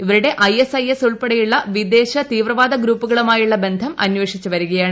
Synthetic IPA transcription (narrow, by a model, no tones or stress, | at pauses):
iʋɐɾuɽe̞ʔɐjesɐjesuɭpɐɽɐjuɭːɐʋid̪e̞ːɕɐt̪iːʋrɐʋaːd̪ɐɡɾuːpːuɣɐɭumaːjuɭːɐbe̞nd̪ʱɐmʔɐnweːʂit͡ɕːuʋɐɾuɣɐjaːɳɨ